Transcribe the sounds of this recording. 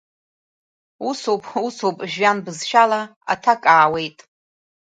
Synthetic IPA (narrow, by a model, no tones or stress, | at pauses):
usowpʼusowpʼʒɥanbɨzʃᶣalaa̰tʰakʼaːwe̞jtʼ